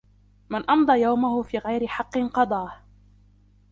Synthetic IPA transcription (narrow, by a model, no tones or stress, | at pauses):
mɪnʔɑmd̪ˤɑːjawmahʊfiːɣajɾɪħɑqːɨnqɑd̪ˤɑːh